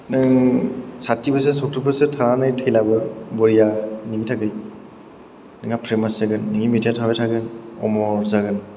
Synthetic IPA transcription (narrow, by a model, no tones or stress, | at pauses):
nɯŋsatibɯs̬esɔk̚tʰɯpɯsɯtʰananɯjtʰɯjlabɯbɔɾijaniɡitʰaɡɯj | nɯŋapʰɾemasaɡɯnːɯŋimidijatʰabejtʰaɡɯnɔ̰mɔɹzaɡɯn